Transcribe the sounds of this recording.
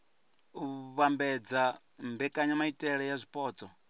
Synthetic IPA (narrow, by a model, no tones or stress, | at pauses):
uβambɛd͡za | mbɛkʼaɲamaitʼɛɺɛjazʷipʼɔːd͡zʼɔ